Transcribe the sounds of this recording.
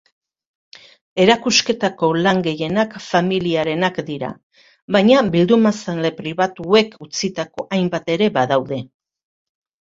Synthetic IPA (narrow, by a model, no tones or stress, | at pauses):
e̞ɾakuske̞t̪ako̞laŋɡe̞je̞nakfamiliaɾe̞nakd̪iɾa̰ | βajɲabild̪umasanle̞pɾiβat̪ue̞kʰut͡sit̪ako̞ʔajmbat̪e̞ɾe̞baðawðe̞